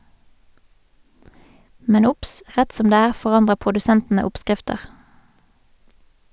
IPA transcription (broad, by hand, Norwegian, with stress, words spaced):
ˈmɛn ˈʊps ˈʁɛt ˈsɔm ˈdeː ˈæːʁ ˌfɔˈʁɑndʁəʁ pʁʊdʉˈsɛntn̩ə ˈɔpˌskʁɪftəʁ